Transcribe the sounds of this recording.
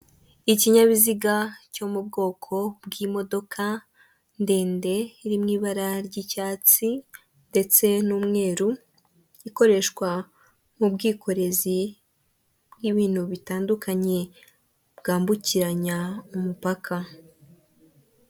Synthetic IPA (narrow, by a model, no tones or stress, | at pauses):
iciɲaβiziɡaco̞mub̚ɡo̞ːkʰo̞bɡimo̞do̞kʰa | nde̞ːnde̞iɾimŋiːβaɾaɾɟicaːt͡si | nde̞t͡se̞nuːmŋe̞ːɾu | iko̞ɾe̞ʃkwa | mubɡiːkʰo̞ɾe̞zi | bɡiβiːn̥huβitaːndukaɲe̞ | bɡaːmbuciɾaɲaumupakʰa